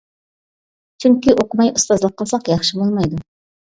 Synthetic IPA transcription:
t͡ʃʰyŋkʲiʔoqəmɑjust̪ɑzlˠəqʰːəlˠsɑqjɑχʃɨbolˠmɑjd̪u

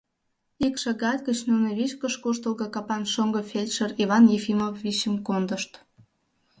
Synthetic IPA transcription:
ikʃɑɡɑt̪̚kət͡ɕnuneβit͡ɕkəʃkoʃt̪əlɡɤkɑpɑnʃoŋɡɤ̆fʲelʲʃəriβɑnjefimofːiɕəmkond̪ə̆ʃt̪

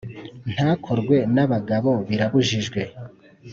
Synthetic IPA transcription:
n̥haːkʰoɾɡwe̞naβaɡaβo̞βiɾaβuʒiʒɡwe̞

